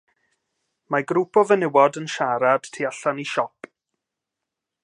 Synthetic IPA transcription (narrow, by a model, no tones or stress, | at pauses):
maɡɾupʰɔvənɪwɔdənʃaɾad̥tʰiaɬaniʃɔp